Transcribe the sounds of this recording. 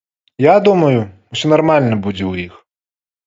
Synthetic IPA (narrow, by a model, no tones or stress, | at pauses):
jad̪umɐjʊ | ɔsʲɔnɐrmalʲnɐbud͡zʲɛwjix